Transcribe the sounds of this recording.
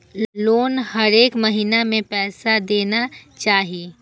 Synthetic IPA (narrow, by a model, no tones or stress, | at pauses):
loːnhɐɾeːkmɐɦiːnamẽpɛːsad̪eːnat͡ʃaːɦie